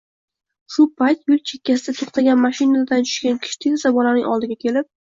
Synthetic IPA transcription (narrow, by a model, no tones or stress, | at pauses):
ʃʊpʰajt̪jʊlˠt͡ʃʰe̞kʲʰːas̬ɪd̪at̪ʰoχt̪aɡʲanmaʃɪnad̪ant͡ʃʰʊ̥ʃkʲankʲʰɪ̥ʃt̪ʰɪkʲsabɒlanɪŋɒ̰lˠd̪ɪɡʲakʲʰe̞lɪp̚